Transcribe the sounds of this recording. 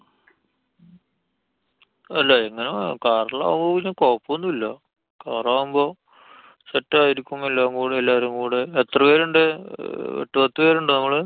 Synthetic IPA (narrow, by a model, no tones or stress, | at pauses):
ɐlːɐeŋːɐnekaːɾɐɭa̰ːʋumbokɐɲːakoːpːuonːuilːɐ | kaːrɭaːʋumboː | setːaːjiɾikʲːumːilːaːŋɡuːɽelːaːɐɾɐŋkuːɽeet̪rɐpeːɾuɳɖɨʋḛʈːɨʋɐt̪ːupeːɾuɳɖɨnɐmːɐɭɨ